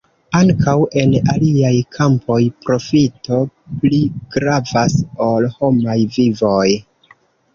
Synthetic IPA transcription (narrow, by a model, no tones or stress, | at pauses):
aŋkʰawe̞naliajkʰampʰo̞jpɾo̞fito̞pliɡ̥ɾavasolho̞majvivo̞j